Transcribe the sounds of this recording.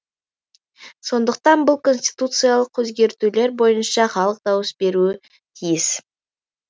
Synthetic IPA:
so̞nd̪əq̚t̪ɑnbʊlˠkʰo̞nsʲt̪ʲi̥t̪ut̪sɨjalˠəq̚kʰːɵzɡʲe̞ɾt̪ule̞ɾbo̞jənʃɑχɑlˠəq̚d̪ɑwəsbe̞ɾuɪ | t̪ʰijɪs

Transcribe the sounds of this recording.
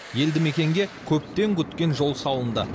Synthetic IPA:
je̞ld̪ɪme̞kʲe̞ŋɡʲe̞kʲʰɵp̚t̪e̞ŋkʲʰʏt̪kʲe̞nʒo̞lˠsɑwˠənd̪ə̰

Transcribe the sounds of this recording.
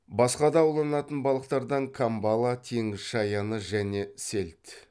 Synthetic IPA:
bɑsqɑd̪ɑwlˠɑnɑt̪ənbɑlˠəqt̪ɑɾd̪ɑɴkʰambɑlˠɑt̪ʰeŋɪzʃɑjɑnəʒæne̞selt̪

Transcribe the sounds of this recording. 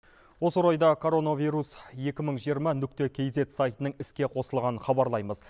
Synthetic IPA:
wo̞səɾojd̪ɑkʰo̞ɾo̞navʲijɾusje̞kʲɪməɴʒijəɾmɑnʏk̚ʲt̪e̞kʲʰe̞jze̞t̪sajt̪ənəɴɪskʲe̞qʰo̞səlˠʁɑnəχɑbɑɾlˠɑjməz

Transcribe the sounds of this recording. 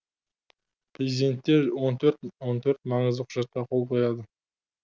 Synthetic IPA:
prezʲid̪e̞nt̪ːeɾwo̞nt̪ʰɵɾt̪wont̪ʰɵɾt̪mɑɴəzd̪əqʰʊ̥ʒɑt̪ːɑqʰo̞lˠpʰojɑd̪ə

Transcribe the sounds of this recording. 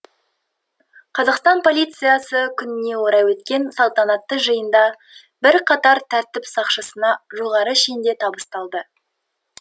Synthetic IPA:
qʰɑzɑqst̪ɑnpʰo̞lʲijt̪sɨjasəkʲʰʏnɪne̞wo̞ɾɑjwɵt̪kʲe̞nsɑlˠt̪ɑnɑt̪ːəʒəjənd̪ɑ | bɪɾqʰɑt̪ɑɾt̪ʰæɾt̪ɪpsɑqʃəsənɑʒo̞ʁɑɾəʃend̪e̞t̪ʰɑbəst̪ɑlˠd̪ə

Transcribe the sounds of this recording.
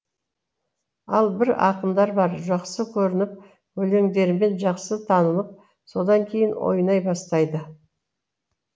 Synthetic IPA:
ɑlˠbɪɾɑ̰qəmd̪ɑɾbɑɾʒɑqsəkʲʰɵɾɪnɪp̚ | wɵle̞ŋd̪e̞ɾɪme̞nʒɑqsət̪ʰɑnələp̚ | so̞d̪ɑŋkʲʰe̞jɪnwo̰jnɑjbɑst̪ɑjd̪ə

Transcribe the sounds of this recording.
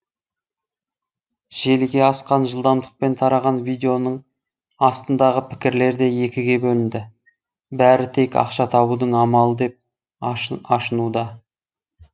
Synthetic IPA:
ʒ̥e̞lɡʲe̞ɑsqɑnʒəlˠd̪ɑmd̪əq̚pe̞nt̪ʰɑɾɑʁɑnvijd̪e̞o̞nəɴ | ɑst̪ənd̪ɑʁəpʰɪ̥kʲɪɾle̞ɾd̪e̞je̞kʲɪɡʲe̞bɵlɪnd̪ɪ | bæɾɪt̪ʰe̞kɑ̰qʃɑt̪ʰɑbud̪əɴɑmɑlˠəd̪e̞p̚ | ɑʃənud̪ɑ

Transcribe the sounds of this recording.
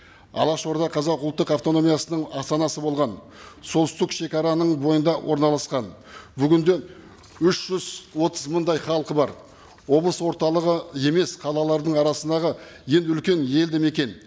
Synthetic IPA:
ɑ̰lˠɑʃo̞ɾd̪ɑqʰɑzɑqʊlˠt̪ːəqɑft̪o̞no̞mijasənəɴɑst̪ɑnɑsəbo̞lˠʁɑn | so̞lˠst̪ɪkʃe̞kʲɑɾɑnəɴbo̞jənd̪ɑwʔo̞ɾnɑlˠɑsqɑn | bʏɡʲɪnd̪e̞ | ʏʃʒ̥ʏzwo̞t̪ʰəzməɴd̪ɑjχɑlˠqəbɑɾ | wo̞blˠəswo̞ɾt̪ɑlˠəʁəe̞me̞sqʰɑlˠɑlˠɑɾd̪əɴɑɾɑsənd̪ɑʁə | je̞nʏlkʲe̞nje̞ld̪eme̞kʲe̞n

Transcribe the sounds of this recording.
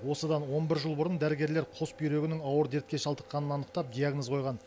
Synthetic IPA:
wo̞səd̪ɑnwo̞nbɪɾʒəlˠbʊɾənd̪æɾɪɡʲe̞ɾle̞ɾqʰo̞spijɾe̞ɡʲɪnɪŋɑwəɾd̪eɾt̪̚kʲe̞ʃɑlˠd̪əqːɑnənɑnəqt̪ɑp̚d̪ijaɡnozqʰo̞jʁɑn

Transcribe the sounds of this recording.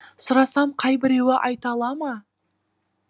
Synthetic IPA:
sʊɾɑsɑmqʰɑjbɪɾe̞wɪʔɑjt̪ɑlˠɑmɑ

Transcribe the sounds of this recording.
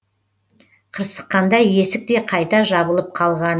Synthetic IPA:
qʰəɾsə̥qːɑnd̪ɑje̞sɪk̚t̪e̞qʰɑjt̪ɑʒɑβəlˠəp̚qʰɑlˠʁɑn

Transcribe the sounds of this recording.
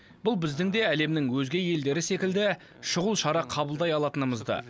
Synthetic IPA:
bʊlˠbɪzd̪ɪŋd̪e̞æle̞mnɪŋwɵzɡʲe̞je̞ld̪e̞ɾɪse̞kʲɪld̪ɪ | ʃʊʁəlˠʃɑɾɑqʰɑbəlˠd̪ɑjɑlˠɑt̪ənəməzd̪ɑ̰

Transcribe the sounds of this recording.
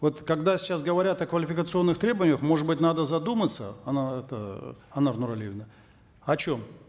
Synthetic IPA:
vo̞t̪kɐɡd̪asʲɪ̥t͡ɕːasɡəvɐɾʲat̪ɐkvəlʲɪfʲɪkət̪sɨo̞nːɨxt̪ɾʲe̞bəvənʲɪjəxmo̞ʐɨt̪bɨtʲnad̪əzɐd̪umət̪sə̰ɐnaɛt̪ə̰ɐnarnʊɾɐlʲivʲnə | ɐt͡ɕom

